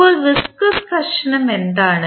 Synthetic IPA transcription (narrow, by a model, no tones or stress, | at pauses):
oːlʋiskɐskɐɾʂɐnɐmend̪aːɳɨ